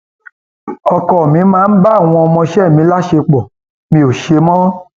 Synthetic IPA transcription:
ɔ˧kɔ˨mĩ˨˦mãː˨˦n̩˦ba˦˨w̃ɔ̃˧ɔ˧mɔ̃˧ʃɛ˦˨mĩ˨˧˦la˦ʃe˧k͡pɔ˨ | mĩ˧˦o˨ʃe˧mɔ̃˦

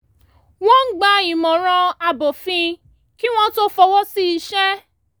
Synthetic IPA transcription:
w̃ɔ̃˦ŋ̩˦ɡ͡ba˨˦i˨mɔ̃˨ɾ̃ɔ̃˧a˧bo˨fĩ˧ | ki˦w̃ɔ̃˦to˦fɔ˧wɔ˦si˦i˧ʃɛ˦

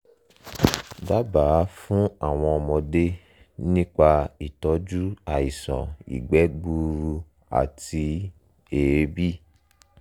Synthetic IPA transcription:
da˦ba˨˦fũ˦a˦˨w̃ɔ̃˧ɔ˧mɔ̃˧de˦ | nĩ˦k͡pa˧i˨tɔ˨˦d͡ʒu˦a˦˨i˨sɔ̰˨ḭ˨ɡ͡bɛ˨˦ɡ͡bu˧ɾu˧ | a̰˨ti˧ | e˨ɾe˨˦bi˦˨

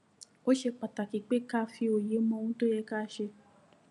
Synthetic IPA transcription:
o˦ʃe˧k͡pa˨ta˨ki˨k͡pe˦ka˦˧˨fi˧o˨je˨˦mɔ̃˧˦˧ũ˦to˦jɛ˧ka˦˧ʃe˧

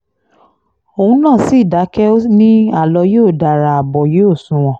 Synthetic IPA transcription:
o˨ũ˧˦nãː˦˨si˦˨da˨˦kɛ˦o˦nĩ˦a˦˨lɔ˧˦jo˦˨da˨ɾa˨a˨bɔ˨je˦o˦˨sũ˨˦w̃ɔ̃˨

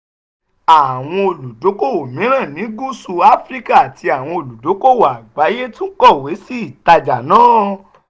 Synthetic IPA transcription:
a˨w̃ɔ̃˧o˨lu˨do˨˦ko˦˨wo˨mĩ˨˦ɾ̃ã˦˨nĩ˨˦ɡu˦su˧˨a˦fɾi˦ka˦˨a˨tʰi˧a˨w̃ɔ̃˧o˧˨lu˨do˨˦ko˦˨wa˨ɡ͡ba˨˦je˦tũ˦kɔ˦˨we˨˦si˦˨ta˧d͡ʒa˨nãː˦

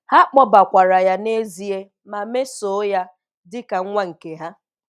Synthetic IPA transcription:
ha˦k͡pɔ˦ba˨kʷa˨ɾa˨ja˦ne˦zi˦e˦ | ma˨me˦so˨˦ja˦ | dɪ˦ka˨ŋ̩˦ŋʷa˦ŋ̩˨ke˨ɦa˦

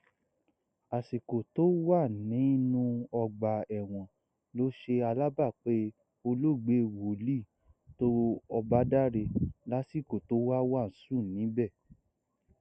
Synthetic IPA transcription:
a˨si˨ko˨to˨˦wa˦˨nĩ˨˦nũ˧ɔ˧ɡ͡ba˨ɛ˨w̃ɔ̃˨ | lo˨˦ʃe˧a˧la˦ba˦˨k͡pe˦ | o˧lo˦˨ɡ͡be˨˦wo˨li˦˨ | to˦ɔ˧ba˦da˦ɾe˧la˦si˦˨ko˨to˨˦wa˦wa˦˨n̩˨˦sũ˦˨nĩ˨˦bɛ˦˨

